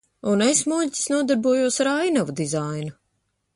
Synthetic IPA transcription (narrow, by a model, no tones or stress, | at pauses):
unesmuʎʲcʲi̥snuɔd̪aɾbuɔjuɔsaɾajnavud̪izajnu